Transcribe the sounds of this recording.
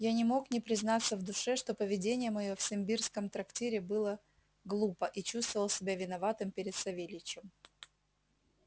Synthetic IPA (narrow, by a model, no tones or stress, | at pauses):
janʲɪmo̞knʲɪpɾʲɪzn̪at̪sːəvd̪ʊʂɛʂt̪o̞pəvʲɪdʲenʲɪjəmɐjofsʲɪmʲbʲirskəmt̪ɾɐktʲeɾʲɪbɨlˠə | ɡlˠupəʔit͡ɕust̪vəvəlˠsʲɪbʲavʲɪnɐvat̪ɨmpʲɪɾʲɪt̪sɐvʲelʲɪt͡ɕːɪm